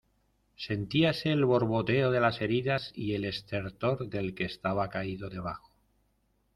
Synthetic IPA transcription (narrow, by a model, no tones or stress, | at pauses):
se̞nt̪iase̞ːlβo̞ɾβo̞t̪e̞oð̞e̞lase̞ɾiðasiele̞st̪e̞ɾt̪o̞ɾðe̞lkeːst̪aβakaiðo̞ðe̞β̞axo